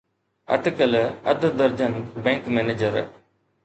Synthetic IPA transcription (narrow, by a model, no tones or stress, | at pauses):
ɐ̰ʈ̪kəlɐd̪d̪əɾd͡ʒənbɛ̃ːŋkmɛːneːd͡ʒəɾ